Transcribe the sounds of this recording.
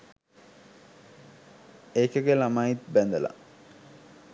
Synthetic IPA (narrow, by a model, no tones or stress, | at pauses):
eːkəɡelamait̪bænd̪əla̰